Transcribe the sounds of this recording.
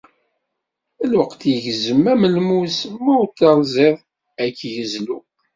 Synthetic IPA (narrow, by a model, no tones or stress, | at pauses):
ælwəqt̪jəʝzəmːæməlmusmːæwt̪ːɑlzˤeðˤ | ækːjəzlu